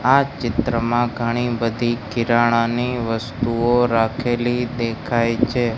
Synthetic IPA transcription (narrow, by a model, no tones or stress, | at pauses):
at͡ʃɪt̪ɾəmãɡʱəɽ̃ibəd̪ʱikɪɾaɽ̃aniʋəst̪uoɾakʰelid̪ekʰajt͡ʃʰe